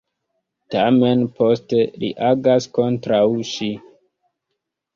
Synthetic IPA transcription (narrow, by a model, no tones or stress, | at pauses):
tame̞npo̞ste̞lḭʔaɡasko̞ntɾawʃi